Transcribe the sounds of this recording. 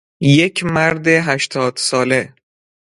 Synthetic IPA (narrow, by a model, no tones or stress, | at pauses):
jecʰmæɾd̪eɦæʃt̪ʰɒːd̪̥sɒːle̞